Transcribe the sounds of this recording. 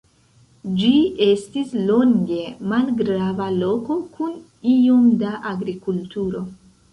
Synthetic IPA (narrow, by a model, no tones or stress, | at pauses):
d͡ʒie̞stislo̞ŋɡe̞malɡɾavalo̞ko̞kun | iomdaʔaɡɾikultuɾo̞